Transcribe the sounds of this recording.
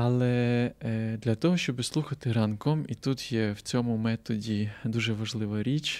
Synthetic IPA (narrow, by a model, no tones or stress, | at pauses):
ɐlˠɛ | d̪lʲɐt̪ɔɦɔʃt͡ʃɔbɪslˠuxɐt̪ɪɾɐnkɔmit̪ut̪jɛwt͡sʲɔmʊmɛt̪ɔdʲid̪uʒɛʋɐʒlˠɪʋɐɾʲit͡ʃ